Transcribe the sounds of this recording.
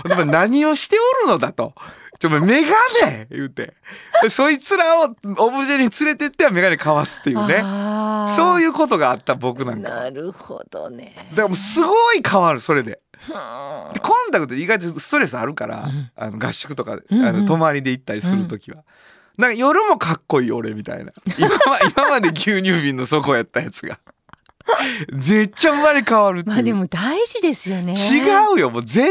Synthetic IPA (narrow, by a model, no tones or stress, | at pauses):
d̪emonaɲ̟io̞ɕi̥t̪e̞oɾɯ̟no̞d̪at̪o̞̰t͡ɕomame̞ɡane̞jɯːt̪e̞̰esoːit͡sɨɾao̞obɯʑeɲ̟it͡sɨɾe̞t̪et̪ːeame̞ɡane̞kaβasɨ̥t̪ːejɯːneso̞ːjɯ̟ːko̞t̪o̞ɡaːt̪ːabo̞kɯ̟nãŋkɾɯo̰d̪̥o̰d̪akamosɨɡo̞ikʰaβaɾɯ̟so̞ɾe̞d̪e̞̰ | d̪ekõ̞nt̪akɯ̟t̪ːiɡait̪̬osɨ̥t̪o̞ɾe̞sɨaɾɯ̟kaɾa̰a̰no̞ɡaɕːi̥kɯ̟t̪o̞ka̰anot̪o̞maɾʲid̪e̞it̪ːaɾʲisɨɾɯ̟t̪o̞kʲiβa | d̪ãŋkajo̞ɾɯ̟mo̞kakːo̞iːo̞̰ɾe̞̰mʲit̪a̰ḭna̰imamaimamad̪e̞k̬ʲjɨːɲ̟ɨːbʲĩnːo̞so̞ko̞jat̪ːajat͡sɨɡa̰ | ze̞t͡ɕːamːaɾʲikaβaɾɯ̟mad̪emod̪aiʑid̪esɨjoneiɡaɯ̟jo̞mo̞ːze̞